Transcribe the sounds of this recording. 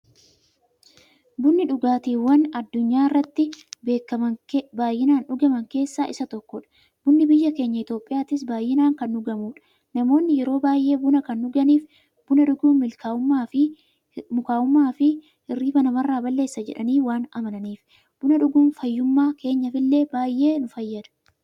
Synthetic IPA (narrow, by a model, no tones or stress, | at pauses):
bʊnːɪᶑʊɡaːt̪iːwɐnɐd̪ːʊɲːaːɪrːɐt̪ːɪbeːkːɐɐbaːjːɪnaːnᶑʊɡɐmɐŋke̞ːsːaːʔɪsɐt̪ɔkːɔᶑɐ̥ | bʊnːɪbɪjːɐke̞ːɲːɐɪt̪o̞ːpʼːɪjaːt̪ɪs̬baːjːɪnaːŋkɐnːʊɡɐmuːᶑɐ̥ | nɐmo̞ːnːɪjɛɾo̞ːbaːjʔe̞ːbʊnɐkɐnːʊɡɐniːf | b̥ʊnɐᶑʊɡuːnmɪlkaːʊmːaːfɪ | mʊkaːʊmːaːfɪ | ɪrːiːbɐnɐmɐrːaːbɐlːe̞ːsːɐd͡ʒɛ̰ᶑɐniːwaːnɐ̰mɐnɐniːf | b̥ʊnɐᶑʊɡuːnfɐjːʊmːaːkʰe̞ːɲːɐfɪlːe̞ːbaːjːe̞ːnʊfɐjːɐd̪ɐ̥